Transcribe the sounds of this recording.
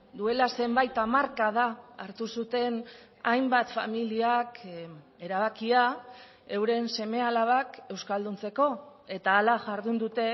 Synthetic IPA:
d̪ue̞lase̞mbajt̪amaɾkað̞aːɾt̪usut̪e̞n | ajmbat̪fa̰miliak | e̞ɾaβ̞akia | e̞wɾe̞nse̞me̞alaβ̞ake̞wskald̪unt͡se̞ko̞e̞t̪aːlaʝaɾðund̪ut̪e̞

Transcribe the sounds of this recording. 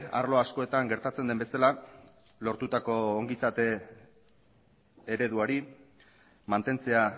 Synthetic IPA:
a̰ɾlo̞asko̞e̞t̪aŋɡe̞ɾt̪at͡se̞nd̪e̞mbe̞sala | lo̞ɾt̪ut̪ako̞ːŋɡisat̪e̞ | ɾe̞ðuaɾi | mant̪e̞nt͡se̞a

